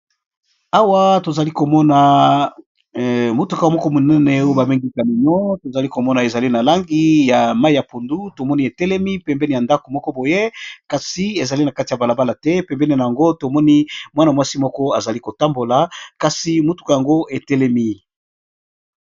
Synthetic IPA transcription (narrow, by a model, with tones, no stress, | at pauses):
a˦wa˦to˨za˨li˦ko˨mɔ˦na˨ | mo˨tu˨ka˨mɔ˦kɔ˦mo˨nɛ˦nɛ˨o˦e˦ba˨me˦ŋɡi˦ka˨li˨ɲo˦to˨za˨li˦ko˨mɔ˦na˨e˨za˨li˦na˨la˦ŋɡi˦ja˨ma˦i˦˨ja˨po˨ndu˦to˨mɔ˦ni˦e˨tɛ˦lɛ˦mi˦pɛ˨mbɛ˦ni˨ja˨nda˦ko˨mɔ˦kɔ˦bo˨je˦ka˨si˨e˨za˨li˦na˨ka˦ti˨ja˨ba˨la˨ba˦la˨tɛ˦pɛ˨mbɛ˦ni˨na˨ja˨ŋɡo˦to˨mɔ˦ni˦mwa˦na˨mwa˦si˦mɔ˦kɔ˦a˨za˨li˦ko˨ta˦mbo˨la˨ka˨si˨mo˨tu̥˨ka˨ja˨ŋɡo˦e˨tɛ˦lɛ˦mi˦